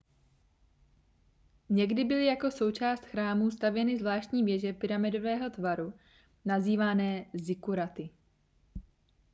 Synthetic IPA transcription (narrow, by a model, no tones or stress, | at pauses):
ɲɛɡdɪbɪlɪjako̞so̞wt͡ʃaːst̪xɾaːmuːst̪avjɛnɪzvlaːʃt̪ɲiːvjɛʒɛpɪɾamɪdo̞vɛːɦo̞t̪vaɾu | naziːvanɛːzɪkuɾat̪ɪ